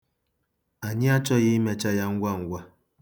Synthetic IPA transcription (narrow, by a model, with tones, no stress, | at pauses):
a˨ɲɪ˦a˦t͡ʃɔ˦ɣɪ˦me˦t͡ʃa˦ja˦ŋ̩˦ɡʷa˦˨ŋ̩˦ɡʷa˦